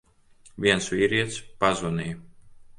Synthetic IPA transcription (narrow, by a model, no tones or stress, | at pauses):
vʲiɛnsviːɾiɛt̪spazunij